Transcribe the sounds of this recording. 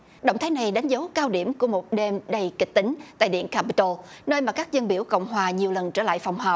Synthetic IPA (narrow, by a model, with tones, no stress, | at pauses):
ɗə̰˧˨wŋ͡mt̪ʰaː˨˦jna˨˩jɗa˨˦jŋ̟zə˨˦wkaː˧wɗi˧˩əmku˧˩əmo˨˩t̚ɗe˧mɗə˨˩jkï˨˩k̚t̪ï˨˦ŋ̟t̪a̰ː˧˨jɗḭ˧˨ənkaː˧pi˧˦t̪o˧nəː˧jmaː˨˩kaː˦˥k̚zə˧nɓi˧˩əwkə̰˧˨wŋ͡mɦwaː˨˩ɲi˨˩əwlə˨˩nt͡ɕə̰ː˧˩la̰ː˧˨jfa˨˩wŋ͡mɦəː˨˩p̚